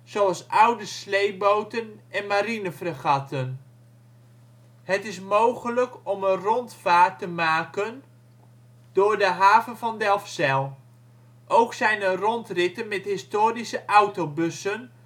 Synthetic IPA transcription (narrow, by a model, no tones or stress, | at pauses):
z̥oɑlˠsʔʌwdəslejbowtənʔɛnmaɾinəfrəχɑtʰən | hətɪs̬mowχələkɔmənrɔntfaːtːəmaːkən | d̥ʊːɹdəɦaːvənvɑndɛlˠfsɛlˠ | ʔowksɛjnərɔntrɪtənmɛtɦɪstoːɾisəʔawtowbɵsən